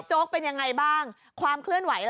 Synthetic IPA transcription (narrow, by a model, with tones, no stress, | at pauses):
t͡ɕoː˦˥k̚pe˧nja˧ŋːa˧jbaː˥˩ŋ | kʰwaː˧mkʰlɯ˥˩ənwa˩˦jl